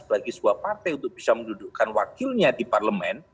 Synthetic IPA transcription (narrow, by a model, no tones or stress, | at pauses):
pəlaɡisəuapart̪ajunt̪ʊk̚b̥isamənduduʔkanwakɪlɲadiparləmɛn